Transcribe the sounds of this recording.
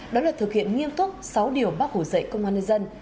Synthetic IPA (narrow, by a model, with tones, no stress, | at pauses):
ɗɔ˨˦laː˨˩t̪ʰɨ˨˩k̚hḭ˧˨ənŋi˧əmt̪ʰʊ˦˥t̚sa˨˦wɗi˨˩əwɓaː˦˥k̚ho˧˩zə̰˧˨jkə˧wŋ͡mwaː˧nə˧jzə˧n